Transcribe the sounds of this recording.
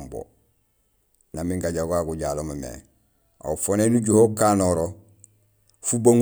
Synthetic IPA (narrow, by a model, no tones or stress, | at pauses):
mbo̰ | namiŋɡaɟaɡaɡuɟaːlomamḛ | a̰ufonenuɟuhokaːnoɾo | fubaŋ